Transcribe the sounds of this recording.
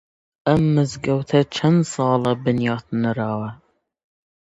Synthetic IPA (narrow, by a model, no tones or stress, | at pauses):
ɐmːɨzɡɐwt̪ʰɐt͡ʃʰɐnsɑːlɐbɨnjɑːt̪ʰnɨɾɑːwɐ